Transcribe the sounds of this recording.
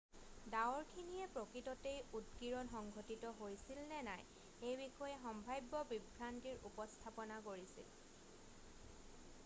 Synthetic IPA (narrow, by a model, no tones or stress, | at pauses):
daɔɹkʰinijɛpɹokɹitɔtejudɡiɹɔnxɔŋɡʱotitɔɦojsilnɛnaj | ejbixɔjɛxɔmbʱajbːɔbibʱɹantiɹṵpɔstʰapɔnakoɹisḭl